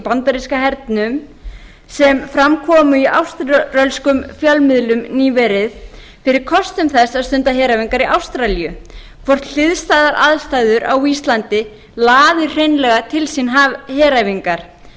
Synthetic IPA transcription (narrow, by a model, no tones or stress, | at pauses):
pant̪aɾiskaɦɛɾt̪nʏm | sɛmfɾamkʰɔːmʏiʔa̰wst̪rœlskʏmfjalmɪðlʏmniːvɛɾɪð | fɪɾɪɾ̥kʰɔst̪ʏmθɛsaðst̪ʏnt̪aɦɛːɾaviŋkaɾiʔawst̪ɾalijʏ | kʰvɔr̥t̪l̥ɪðst̪aːðaɾʔa̰ðst̪ajðʏɾʔa̰wist̪lant̪ɪ | laːðɪ̥r̥ejnlɛɣat̪ʰɪlsinɦahɛːɾaviŋkaɾ̥